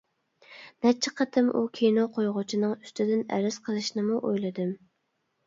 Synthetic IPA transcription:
nɛt͡ʃʰːɪqʰɑt̪ʰɨmʔukʲʰejnoqʰojʁʊt͡ʃʰinɨŋy̥st̪ɪd̪ɪnɛ̰ɾɪz̥qʰəlˠɨʃnɨmuʔojlˠɨd̪ɨm

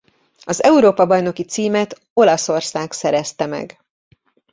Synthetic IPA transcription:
ɒzɛuɾoːpɒbɒjno̞kit̪siːmɛt̪ | o̞lɒso̞rsaːksɛɾɛst̪ɛmɛ̰ɡ

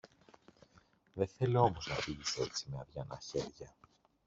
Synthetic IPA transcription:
ðeθe̞lio̞mo̞znɐfiʝisee̞t͡simeɐðʝɐnɐçe̞ɾʝɐ

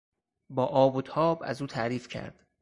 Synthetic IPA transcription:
bɒːʔɒːbot̪ʰɒːbæ̰zuːt̪ʰæɾiːfcʰæ̰ɾd̪̥

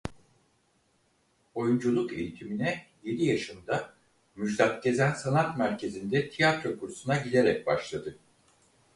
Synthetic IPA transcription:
o̞jund͡ʒulˠukejit̪ʰiminɛje̞d̪ijaʃɯmd̪a | myd͡ʒd̪at̪̚ɟe̞zænsanat̪mæɾcʰe̞zind̪ɛt̪ʰijat̪ɾo̞kʰuɾsunaɟile̞ɾɛc̚baʃlˠad̪ɯ

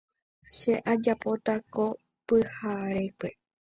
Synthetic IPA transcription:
ʃe̞ʔad͡ʒapo̞t̪ako̞ | pɨhaɾekʷe̞

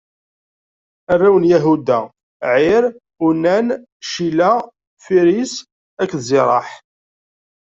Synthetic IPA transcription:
ærːæwənjæɦud̪æ | ʕɪɾ | unæn | ʃilæ | fiɾis | ækːzɪɾˤɑ̰ħ

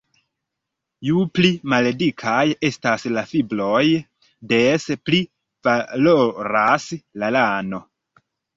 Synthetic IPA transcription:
juplimaledikʰaje̞staslafiblo̞j | despli | v̥aloɾaslalano̞

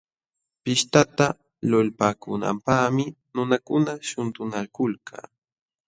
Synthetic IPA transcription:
pɪʃt̪at̪a | lolpaːkʊna̰mpaχmɪ | nʊnakʊnaʃʊnt̪ʊnalkʊlkʰa̰ː

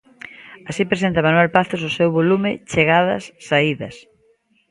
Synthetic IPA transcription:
asipɾesent̪ɐmanwelpaθos̬ʊsewβolumɪt͡ʃeɣaðɐ̰sːaiðɐs

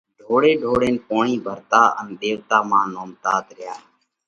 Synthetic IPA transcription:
ɖʱoːɽeːɖʱoːɽeːnpoːɳiːbʱəɾt̪aːʔə̰nɗ̪eːʋt̪aːmãːnoːmt̪aːt̪ɾɪjaː

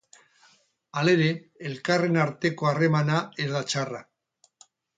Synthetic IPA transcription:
ale̞ɾe̞ːlkare̞naɾt̪e̞ko̞are̞manae̞zðat͡ʃara

